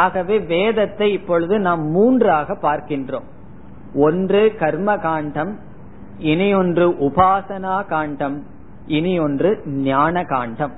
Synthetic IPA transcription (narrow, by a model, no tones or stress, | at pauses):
aːɣɐʋeːʋeːðɐt̪ːɐɪɪpːɔɻɯðɯnaːmːuːndraːɣɐpːaːɾkɪndro̰ːm | ɔndrɯkɐɾmɐkaːɳɖɐm | ɪnɪjɔndrɯʔʊbaːsɐnaːkaːɳɖɐm | ɪnɪjɔndrɯnjaːnɐkaːɳɖɐm